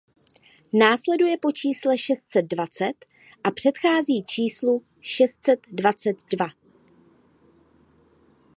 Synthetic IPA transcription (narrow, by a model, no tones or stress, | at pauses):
naːslɛdujɛpo̞t͡ʃiːslɛʃɛst̪sɛd̪̚dvat͡sɛt̪ | ʔapr̝̥ɛt̪xaːziːt͡ʃiːslu | ʃɛst̪sɛd̪dvat͡sɛd̪dva